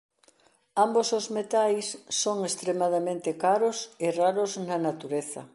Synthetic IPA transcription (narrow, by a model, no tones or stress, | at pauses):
ambosozmet̪ajsːoŋest̪ɾemaðamẽnt̪ɪkaɾʊsɪraɾʊznɐnat̪uɾeθɐ